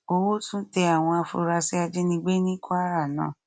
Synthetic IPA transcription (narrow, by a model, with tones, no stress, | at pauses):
o˧wo˦tũ˦te˧a˦˨w̃ɔ̃˧a˧fo̰˧ɾa˧si˦a˧d͡ʒe˦nĩ˧ɡ͡be˦nĩ˦kʰo˦a˦ɾa˦˨nã̰ː˨˦˨